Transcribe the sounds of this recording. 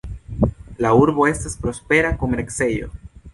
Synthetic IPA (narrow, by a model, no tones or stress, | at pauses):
lauɾbo̞e̞staspɾo̞spe̞ɾakomeɾkse̞jo̞̰